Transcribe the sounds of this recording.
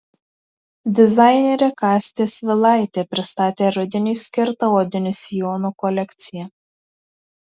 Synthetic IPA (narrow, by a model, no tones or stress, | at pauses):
d̪ʲɪzɑɪnʲeɾʲɛkɑːsʲt̪ʲeːsʲʋʲɪlˠɑˑɪt̪ʲeːpʲɾʲɪst̪ɑːt̪ʲeːɾʊd̪ʲɪnʲiːsʲkʲɪɾt̪ɐoːd̪ʲɪnʲʊsʲɪjoːnukɔlʲɛkʲt̪sʲɪjɛ